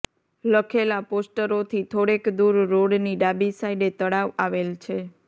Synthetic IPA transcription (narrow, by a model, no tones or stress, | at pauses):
ləkʰelaposʈəɾot̪ʰit̪ʰoɽekd̪uɾːoɽniɖabisaiɖet̪əɽaʋaʋelt͡ʃʰe